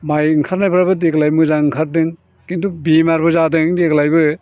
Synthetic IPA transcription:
majŋkʰaɾnajpʰɾabɯdeɡlajmɯzaŋkʰaɾ̚dɯŋ | kintubimaɾbɯzadɯŋdeklajbɯ

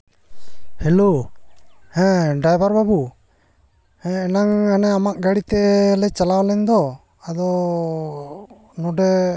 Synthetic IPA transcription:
hɛlo | hɛ̃ɖajbaɾbabu | hɛ̃ɛnaŋanɛamaʔɡaɽit̪ɛlɛt͡ʃalawlɛɲd̪ɔ | ad̪ɔ | nɔɖɛ

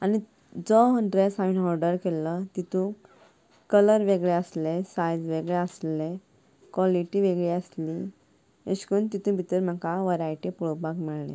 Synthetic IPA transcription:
ani | d͡zɔɦəɳɖɾesaʋinɔɾɖəɾkelːət̪it̪ũ | kələɾʋeɡɭeəslesajd͡zʋeɡɭeəsle | kʋaliʈiʋeɡɭiəsli | eɕkunt̪it̪ũbʱit̪əɾm̤akaʋaɾajʈipuɭobakmiɭlḛ̃

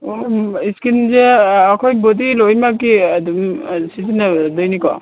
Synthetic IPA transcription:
iskinzeakʰɔjbɔd̪ilojmakidmsisinad̪ɔjnikɔ̰

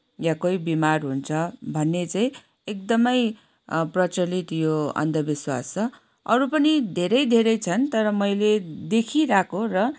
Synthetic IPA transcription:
jãkojbimarɦunt͡sʰʌbʱʌnːet͡saj̃ | ek̚d̪ʌmʌj | prʌt͡sʌlit̪joʌ̰nd̪ʱʌbiswast͡sʌ | ʌɾupʌnid̪ʱeɾʌjd̪ʱeɾʌjt͡sʰʌnt̪ʌɾʌmʌjled̪ekʰiɾakʰorʌ

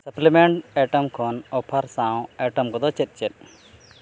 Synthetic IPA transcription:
sɐplɛmeɳʈɛʈɔmkʰɔnɔpʰaɾsãw̃ɛʈɔmkɔd̪ɔt͡ʃɛt̪̚ˀt͡ʃɛt̪̚ˀ

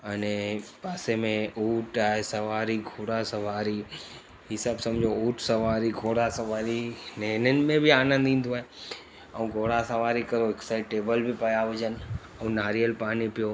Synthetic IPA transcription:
ənepaːsemẽuːʈaːesɐʋaːɾiɡʱoːɽasəʋaːɾi | ɦisabsɐ̃md͡ʒʱouːʈsɐʋaːɾiɡʱoːɽasɐʋaːɾineːnən̆mẽbʱiaːnə̃nd̪ĩːn̆d̪oaːe | əũɡʱoːɽasɐʋaːɾikɐɾoɛksaɪʈeːbəlbʱipɐjaʋəd͡ʒən | əũnaːɾijəlpaːnipɪjo

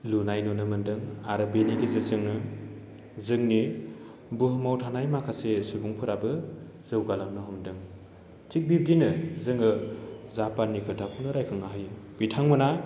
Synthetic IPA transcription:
lunajnunɯmɯndɯŋaɾɯbeniɡizɯzɯŋnɯ | zɯŋni | buɦɯmawtʰanajmakʰasesuɡuŋpʰɯɾabɯ | z̥ɯwɡalamnɯɦɔmdɯŋ | tʰik̚bip̚dinɯzɯŋɯzapanːikʰɯtʰapʰunɯɾajkʰɯŋaɦɯjɯbitʰaŋmɯna

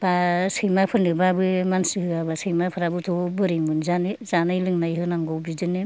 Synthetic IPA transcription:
b̥asɯjmapʰɯɾnɯbabɯmansɯhɯabasɯjmapʰɯɾabɯtʰɔbɯɾimɯnzanɯzanɯjlɯŋnajɦɯnaŋɡɔwbizɯne

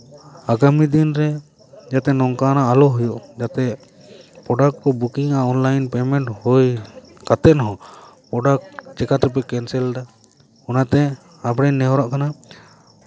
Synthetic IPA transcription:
aɡamid̪inɾɛ | d͡ʒat̪ɛnɔŋkanaalɔɦɔjɔʔd͡ʒat̪ɛ | pɾɔɖak̚ʈkɔbukiŋaɔnlajnpɛmɛɳʈhɔj | kat̪ɛʔ̪nɔɦɔpɾɔɖak̚t͡ʃɛkat̪ɾɛp̬ɛkɛnsɛlɖa | ɔnat̪ɛ | apɽɛnːɛɦɔɾaʔkana

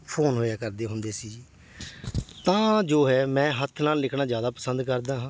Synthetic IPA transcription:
pʰoːnɦoːjaːkəɾd̪eːɦʊnd̪eːsiː | t̪ãːd͡ʒoːɦɛːmɛ̃ːɦət̪ʰnaːlːɪkʰnãːzjaːd̪aːpəsə̃nd̪kəɾd̪ãːɦãː

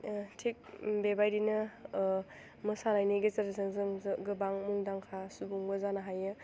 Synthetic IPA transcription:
tʰik̚bebajdinɯ | mɯsanajniɡezɐɾsaŋzɯŋzɡɯbaŋmuŋdaŋkʰasubuŋbɐzanaɦajɯ

